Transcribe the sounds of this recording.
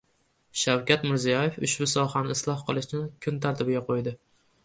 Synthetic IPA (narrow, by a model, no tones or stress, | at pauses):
ʃawkʲat̪mɪɾzijɒjefʊ̰ʃbʊsɒhanɪɪslˠɒhqʰɨlˠɪʃnɪkʲʰʊnt̪ʰaɾt̪ʰɪbɪɡʲaqʰojd̪ɪ